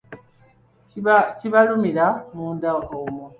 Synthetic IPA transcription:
ciβalumiɾamuːndaʔomo

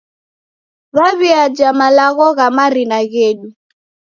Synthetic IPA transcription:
βaβiad͡ʒamalaɣɔɣamaɾinaɣɛɗi

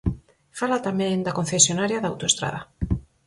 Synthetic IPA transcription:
falat̪amẽŋd̪akonθesjonaɾjaðawt̪oest̪ɾa̰ð̞a

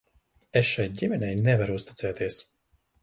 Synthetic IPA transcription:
esʃaj̪̚ɟimɛnʲɛjnɛvaɾust̪i̥t̪sɛːt̪ʰiɛs

